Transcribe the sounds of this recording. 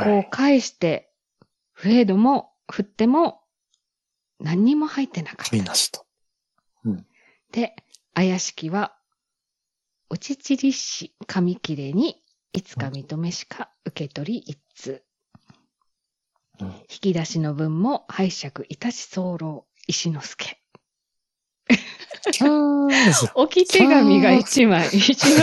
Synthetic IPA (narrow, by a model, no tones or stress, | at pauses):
ko̞ːkʰaeɕi̥t̪e̞ | ɸɯ̟e̞d̪o̞mo̞ | ɸɯ̟t̪ːe̞mo̞ | nãɲ̟ːimo̞hait̪ːe̞nakḁ | d̪̥e̞ | ajaɕi̥kʲiβa | o̞t͡ɕit͡ɕiɾʲiɕikʰamʲikʲiɾe̞ɲ̟iː | t͡sɨ̥kamʲit̪o̞me̞ɕi̥kʰa | ɯ̟ke̞t̪o̞ɾʲiʔi | t͡sɨ | çi̥kʲid̪aɕino̞bɯ̟̃mːo̞haiɕakɯ̟ʔit̪aɕi̥so̞ːɾo̞ː | iɕino̞sɨ̥kʰe̞ | o̞kʲit̪e̞ɡamʲiɡait͡ɕimai